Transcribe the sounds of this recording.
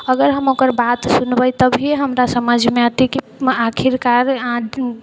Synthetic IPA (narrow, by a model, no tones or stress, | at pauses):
əɡəɾɦəmokəɾbat̪sunbəjt̪əbʱieɦəmɾasəməd͡ʒʱmeat̪iki | akʰiɾkaɾã